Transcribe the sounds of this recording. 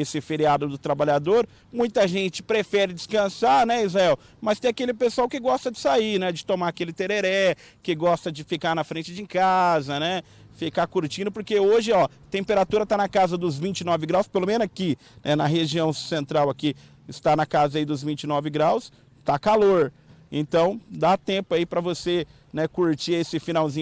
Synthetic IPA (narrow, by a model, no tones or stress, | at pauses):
esɪfeɾiad̪ʊd̪ʊt̪ɾabaʎad̪oɾ | mũj̃t̪ɐʒẽt͡ʃɪ̥pɾefɛɾɪd͡ʒɪskɐ̃saɾnɛizaɛw | mɐst̪ẽj̃akelɪpesʊawkɪɡɔst̪ɐd͡ʒɪsainɛd͡ʒɪt̪õmaɐkelɪt̪eɾeɾɛ | kɪɡɔst̪ɐd͡ʒɪfikanɐfɾẽnt͡ʃɪd͡ʒɪ̃kazɐnɛ | fikakuɾt͡ʃĩnʊpoɾkeoʒɪɔ | t̪ẽmpeɾat̪uɾɐt̪anɐkazɐd̪ʊzvĩt͡ʃɪnɔvɪɡɾawspelomẽnʊzakɪ | nɛnɐɦeʒiɐ̃w̃sẽnt̪ɾawaki | ɪst̪anɐkazɐaid̪ʊzvĩnt͡ʃɪnɔvɪɡɾaws | t̪akaloɾ | ḛ̃t̪ɐ̃w̃d̪at̪ẽpʊaipɾɐvose | nɛkuɾt͡ʃiesɪfinawzĩɲ